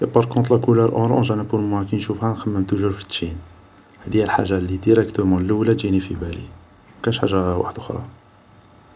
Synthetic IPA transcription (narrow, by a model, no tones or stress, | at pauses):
pɑɾˤkɔ̃t̪ˤlɑkuləɾʔõ̰ɾʔɔ̰̃ʒænæpuɾmwækænʃufhæxəmːæmt̪uʒuɾfə̥t̪ːʃin | hæd̪ihælħa̰ʒːalːid̪iɾəkt̪əɾmunlːəwlæd͡ʒinifibælḭ | mækænʃħa̰ʒːawa̰ħəd̪ʔʊxɾˤɑ̰